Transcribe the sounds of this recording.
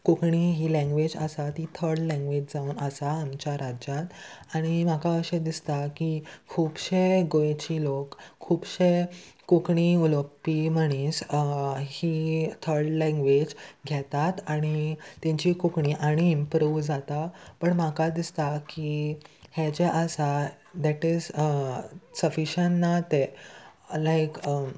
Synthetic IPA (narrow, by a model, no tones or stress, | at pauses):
kukɳiɦiːlɛ̃ŋɡʋed͡ʑə̰sat̪it̪ʰəɾɖlɛ̃ŋɡʋed͡ʑd͡zauːnəsaːmt͡ɕjaɾad͡ʑjat̪aɽ̃imakaəɕẽd̪ist̪akikʰːuːbɕeɡojet͡ɕilokʰːuːbɕekukɳiuləpːiməɽ̃is | hit̪ʰəɾɖlɛ̃ŋɡʋed͡ʑɡʱjɛt̪at̪aɽ̃it̪jãɲt͡ɕikukɳiʔaɽ̃iːmpɾuʋd͡zat̪apəɳmakad̪ist̪akihet͡ɕeʔəsa | d̪æʈiz | səfiɕanːat̪e | lajk